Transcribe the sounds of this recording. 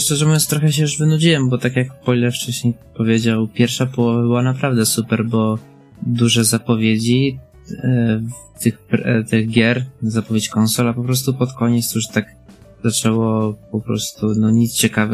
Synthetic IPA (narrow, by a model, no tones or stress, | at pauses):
ʂt͡ʂɛʐɛmɔɛ̃nt̪ɾɔxɛɕ̬ɛjuʐvɘnud͡ʑiwɛmbɔt̪akʲjakpɔjlɛft͡ʂɛɕɲejpɔvʲjed͡ʑawpʲjɛɾfʂapɔwɔvabɘwanapɾavd̪ɛsupɛɾbɔ | d̪uʐɛzapɔvʲjed͡ʑi | ft̪ɘxpɾt̪ɪɣɡʲjɛɾzapɔvʲjet͡ɕkɔnsɔlapɔpɾɔs̬t̪upɔt̪kɔɲɛt̪sjuʂt̪aɡ | zat͡ʂɛwɔpɔpɾɔ̰st̪unɔɲit̪st͡ɕɛkavɛ